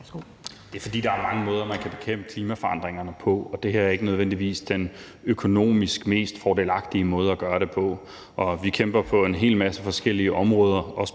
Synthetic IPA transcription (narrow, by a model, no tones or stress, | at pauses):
d̥e̝æfɒ̽d̥ḭːd̥ɑ̈æɐmɑ̈ŋəmɔ̽ːð̞ˠɐmænkʰæb̥e̝kʰem̰b̥əkʰliːmæfɒ̽ɑ̈nd̥ʁeŋɐnəpʰɒ̽ɒ̽d̥e̝heɐ̰æɐe̝ɡ̥ənøð̞ˠʋen̰d̥iʋḭːsd̥en | økʰo̝no̝̰ːmisɡ̥me̝̰ːsd̥fɒːde̝ːlɑ̈ɡ̥d̥iəmɔ̽ːð̞ˠɐæɡ̥ɶːɐɾe̝pʰɒ̽ | ʔɒ̽ʋikʰem̰b̥ɐpʰɒ̽e̝nɦe̝̰ːlmæsəfɒ̽sɡ̥el̰iəʔɒ̽mʁɔ̽ːð̞ˠɐʔɒ̽s